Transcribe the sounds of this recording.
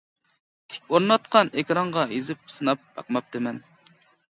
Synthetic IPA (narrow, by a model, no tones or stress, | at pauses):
t̪ʰɪ̥kʲoɾnɑt̪̚qʰɑnekʲɾɑɴʁɑjezɪp̚sɨnɑp̚bɑ̰qmɑp̚d̪ɪmɛn